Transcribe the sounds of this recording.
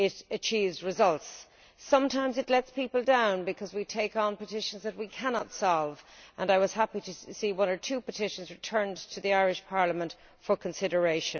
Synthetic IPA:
ɪɾɨt͡ʃʰivzɹɨzʌlˠtsː | ʌ̃mtʰãɪ̃mzɨtlɛtspipəl̩ˠdãʊ̃nbɨkʰʌzwitʰeɪkn̩pətɪʃə̃nzðɨt̚wikʰænɑtsɑlˠvʔə̃naɪwʌz̥hæpiɾɨsiwʌ̃nə˞tʰʉpətʰɪʃə̃nzɹɨtʰɜ̃˞ntʰɨðiaɪɹɪʃpʰɑɹləmə̃nt | fə˞kʰə̃nsɪɾə˞eɪʃɨ̃n

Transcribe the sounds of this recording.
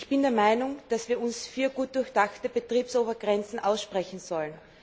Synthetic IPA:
ɪçb̥ɪndɛɐmaɪnʊŋd̥asv̥iːɐʊnsfiːɐɡuːt̚d̥ʊɐçd̥axtəb̥ətʁ̥iːpsʔoːbɐɡʁɛnt͡sn̩ʔaʊsʃpʁ̥ɛçn̩z̥ɔlən

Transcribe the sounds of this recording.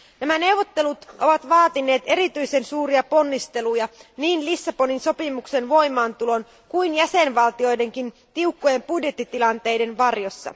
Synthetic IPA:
næmæne̞wʋot̪ːe̞lut̪ʔo̞̰ʋɑt̪ʋɑːt̪inːe̞ːt̪e̞ɾit̪yjse̞nsuːɾiɑpo̞nːist̪e̞lujɑniːnlisːɑpo̞ninso̞pimukse̞nʋo̞jmˑɑːnt̪ulo̞n | kuinjæse̞nʋɑlt̪io̞jde̞ŋkin | t̪iukːoje̞mpudje̞t̪ːit̪ilɑnt̪e̞jde̞nʋɑrjo̞sːɑ̰

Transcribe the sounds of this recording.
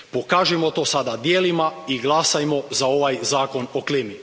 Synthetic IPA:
po̞kaːʒɛmot̪o̞ːsad̪ad̪jeːlimaiɡlˠasajmo̞zao̞ʋajzaːko̞noklemi

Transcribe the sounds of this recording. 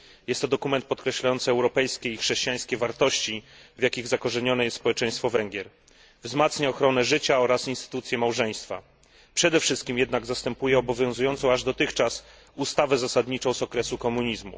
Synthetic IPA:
jɛst̪ːɔd̪ɔkumɛnt̪̚pɔt̪kɾɛɕlajɔnt̪sɘɛwɾɔpɛjskʲeixʂɛɕt͡ɕijaj̃skʲevaɾt̪ɔɕt͡ɕivjakʲiɣzakɔʐɛɲɔnɛjɛst̪spɔwɛt͡ʂɛj̃st̪fɔvɛŋɡʲjɛɾ | vzmat̪sɲaɔxɾɔnɛʐɘt͡ɕaɔɾasinst̪ɘ̥t̪ut̪sʲjɛmawʐɛj̃st̪fa̰ | pʂɛd̪ɛfʂɘst̪kʲimjɛd̪naɡzast̪ɛmpujɛɔbɔvʲjɔ̃w̃zujɔnt̪sɔ̃w̃aʐd̪ɔt̪ɘxt͡ʂas | ust̪avɛzasad̪ɲit͡ʂɔ̃w̃zɔkɾɛsukɔmuɲizmṵ

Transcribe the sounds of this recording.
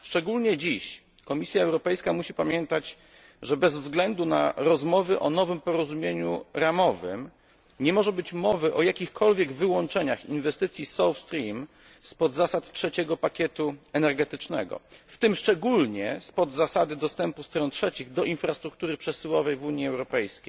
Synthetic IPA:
ʂt͡ʂɛɡulɲɛd͡ʑiɕ | kɔmʲisʲjaɛwɾɔpɛjskamuɕipamʲjɛnt̪at͡ɕ | ʐɛbɛzvzɡlɛnd̪una̰ɾɔzmɔvɘʔɔn̪ɔvɘmpɔɾɔzumʲjeɲuɾamɔvɘ̰m | ɲɛmɔʐɛbɘt͡ɕmɔvɘʔɔjakʲixkʰɔlvʲjɛɡvɘwɔnt͡ʂɛɲaxinvɛst̪ɘt̪sʲjisɔwfst̪ɾʲim | spɔd̪zasat̪tʂɛt͡ɕɛɡɔpakʲɛt̪uɛnɛɾɡɛt̪ɘt͡ʂnɛɡɔ̰ft̪ɘmʂt͡ʂɛɡulɲɛspɔd̪zasad̪ɘd̪ɔst̪ɛmpust̪ɾɔntʂɛt͡ɕiɣd̪ɔʔinfɾast̪ɾuk̚t̪uɾɘpʂɛsɘwɔvɛjvuɲjiɛwɾɔpɛjskʲḛjj

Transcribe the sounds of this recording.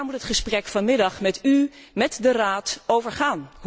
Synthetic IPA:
ɹmutɦətχəsprɛkfɑnmɪdɑχmɛty | mɛtdəraːtowvəɹχaːn

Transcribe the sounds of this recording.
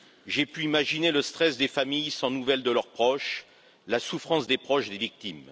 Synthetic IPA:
ʒepyimaʒineləst̪χɛsd̪efamijsɑ̃nuvɛld̪əlœʁpχɔʃ | lasufχɑ̃sd̪epχɔʃd̪evik̚t̪im

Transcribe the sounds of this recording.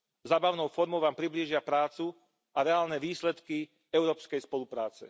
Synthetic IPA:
zaːbaʊnɔʊfɔɾmɔʊʋaːmpɾibliːʒɪapɾaːt͡su | aɾɛaːlnɛʋiːslɛt̪ki | ɛʊɾɔːpskɛjspɔlupɾaːt͡sɛ̰

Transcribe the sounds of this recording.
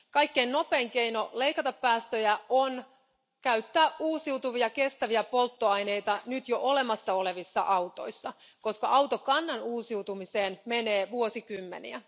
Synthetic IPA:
kɑjkːeinno̞pe̞ːŋke̞ino̞le̞ikɑt̪ɑpːæːst̪øjæʔon | kæyt̪ːæːʔuːsiwt̪uʋiɑke̞st̪æʋiæpo̞lt̪ːoɑjne̞jt̪ɑnyt̪joʔo̞le̞mɑsːɑo̞le̞ʋisːɑ̰ʔɑut̪o̞̰jsːɑ | ko̞skɑʔɑwt̪okɑnːɑnuːsiwt̪umise̞ːnmene̞ːʋuo̞sikymːḛnḭæ̰

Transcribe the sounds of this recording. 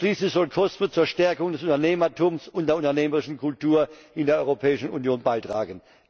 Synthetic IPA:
ʃliːslɪçz̥ɔlkʰɔstət͡suːɐʃtɛɐkʊŋdɛsʊntɐneːmɐtʰʊmsʊntdeːɐʊntɐneːməʁɪʃn̩kʰʊltuːɐʔɪndeːɐɔʁopʰɛːɪʃn̩unjoːnbaɪtʁ̥a̰ːɡən

